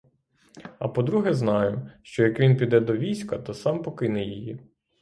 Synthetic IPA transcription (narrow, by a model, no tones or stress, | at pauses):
ɐpɔd̪ɾuɦɛznɑjʊʃt͡ʃɔjɐkʋʲinpʲid̪ɛd̪ɔʋʲijsʲkɐt̪ɔsɑmpɔkɪnɛjiji